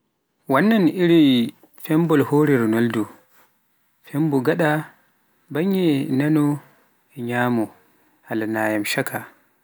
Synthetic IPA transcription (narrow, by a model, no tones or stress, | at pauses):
wanːaniɾi | fɛmbɔlhoːɾɛɾɔnɔldu | fɛmbɔɡaɗa | baɲɛnanɔ | ɛɲaːmɔ | halanaːjamʃakʰa